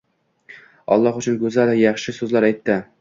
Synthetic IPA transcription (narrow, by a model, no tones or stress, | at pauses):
ɒ̰lˠːɒχʊt͡ʃʰʊnkɵzalɪjɑχʃɪsɵzlaɾajt̪ʰːɪ